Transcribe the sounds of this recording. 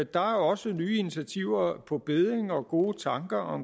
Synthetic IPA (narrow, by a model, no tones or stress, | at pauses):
d̥ɑ̈æɐɒ̽sənyːinit͡sʰæt͡sʰiʊ̰ɐpʰɒ̽b̥e̝ð̞ˠʁeŋɒ̽ɡ̥o̝ːt͡sʰɑ̈ŋɡ̥ɐʔɒ̽m